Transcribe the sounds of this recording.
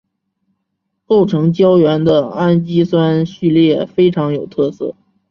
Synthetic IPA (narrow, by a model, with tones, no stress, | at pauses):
ko˥˩ʊʈ͡ʂʰɤ˧˥ŋt͡ɕjɑ˥ʊɥɛ˧˥nd̪ə˧a˥nt͡ɕi˥swa˥nɕy˥˧ljɛ˥˩fe˥ɪʈ͡ʂʰɑ˧˥ŋjo˨˩ʊt̪ʰɤ˥˧sɤ̰˥˩